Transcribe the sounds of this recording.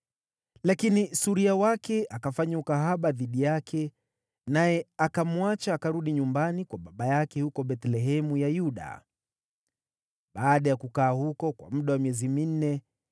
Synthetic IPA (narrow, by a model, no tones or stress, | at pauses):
lakinisuɾiawakɛakafaɲaukaɦaɓaðiɗijakʰɛ | najɛakamwat͡ʃaːkaɾuɗiɲumbanikwaɓaɓajakɛhukɔɓɛtlɛɦɛmujajuɗa̰ | ɓaːɗajakukaːhukɔkwa̰m̩ɗawamiɛzimin̩nɛ